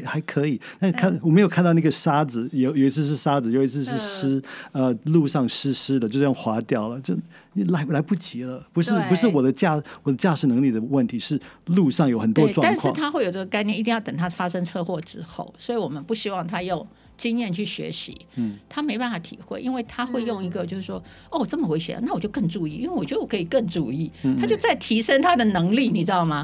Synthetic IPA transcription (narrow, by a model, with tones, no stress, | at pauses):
xa˧˥ɪkʰɤ˧˥i˨˩na˥˧˥kʰa˥˧nwɔ˨˩me˧˥jo˨˩kʰa˥˧nt̪ɑ˥˧ʊna˥˩ɡə˩ʂa˥d͡zɹ̩˨˩jo˧˥ʊjo˨˩ʊi˧˥t͡s̩ʰ˥˧ʂ̬ɻ̩˥˩ʂa˥d͡zɹ̩˨˩jo˨˩ʊi˧˥t͡s̩ʰ˥˧ʂɻ̩˥˩ʂɻ̩˥ə˧lu˥˧ʂɑ˥˩ŋʂɻ̩˥ʂɻ̩˥d̪ə˨t͡ɕo˥˧ʊʂjʊ˥˩ŋxwa˧˥t̪jɑ˥˩ʊlə˩t͡ɕjo˥˧ʊ˥˩ | la˧˥ɪla˧˥ɪpu˥˩t͡ɕi˧˥lə˧pu˧˥ʂɻ̩˥˩pu˧˥ʂʂɻ̩˥˩wɔ˨˩d̪ə˦t͡ɕja˥˧wɔ˨˩d̪ə˦t͡ɕja˥˧ʂɻ̩˨˩nɤ˧˥ŋli˥˩d̪ə˩wə˥˩nt̪ʰi˧˥ʂɻ̩˥˩ | lu˥˧ʂɑ˥˩ŋjo˨˥ʊxə˨˩nt̪wɔ˦˥˧ɪʈ͡ʂwɑ˥t̪a˥˧nʂkʰwɑ˥˧ŋ˩t̪ʰa˥xwe˥˩ɪjo˨ʊʈ͡ʂə˥˩ɡə˩ka˥˧ɪnɛ˥˩˧i˥˧t̪jɑ˥˩ʊə˨˩ŋt̪ʰa˥fa˥ʂə˥ŋt͡sʰɤ˥˧xwɔ˥˩ʈ͡ʂɻ̩˥xo̰˥˩ʊswɔ˧˥i˧˥wɔ˨˩mə˦npu˥˩ɕi˥wɑ˥˩ŋt̪ʰa˥jo˥˩ʊŋ | t͡ɕi˥ŋjɛ˥˧nt͡ɕʰy˥˩ɕɥɛ̰˧˥ɕḭ˧˦t̪ʰa˥me˧˥ɪpa˥˩nfa˨˩t̪ʰḭ˨˩xwe˥˩ɪʔi˥nwe˥˩ɪt̪ʰa˥xwe˥˧ɪjo˥˩ŋi˧˥ɡə˧t͡ɕjo˥˧ʊʂɻ̩˥˩ʂwɔ˥ | o˥˩wɔ˨˩ʈ͡ʂə˥˩mə˩xwe˧˥ɪɕjɛ̰˧˥lə̰˦na˥˩wɔ˨˩t͡ɕjo˥˧ʊkɤ˥˧ŋʈ͡ʂu˥˧i˥˩˨i˥we˥˩wɔ˨˩t͡ɕjɛ˥˧ɔ˨˩kʰi˨˩kə˥˩nʈ͡ʂu˥˧˩i˥˩t̪ʰa˥t͡ɕjo˥˧ʊt͡sa˥˩ɪt̪ʰi˧˥ʂə˥ŋt̪ʰa˥d̪ə˨nɤ˧˥ŋli˥˩ni˨˩ʈ͡ʂɻ̩˥d̪ɑ˥˩mɐ˩